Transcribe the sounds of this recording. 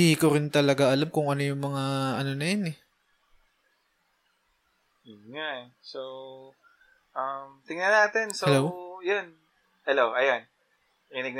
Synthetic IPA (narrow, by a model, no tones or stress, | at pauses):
iːhɪkoɾɪnt̪ɐlɐɡaʔɐlamkʊŋʔɐnojʊŋmɐŋaʔɐnonɐjanɛ | joŋaʔ | sow | ʔɐmt̪ɪŋnɐnaːt̪ɛnsɛlowjon | hɛlowʔɐjan | kɪnɪɡ̪̚